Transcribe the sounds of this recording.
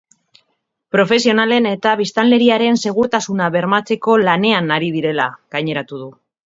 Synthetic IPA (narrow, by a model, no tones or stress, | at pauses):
pɾo̞fe̞sio̞nale̞ne̞t̪aβ̞ist̪anle̞ɾiaɾe̞nse̞ɣ̞ut̪asunaβe̞ɾmat͡se̞ko̞lane̞anaɾiðiɾe̞laɣ̥ajɲe̞ɾat̪uð̞u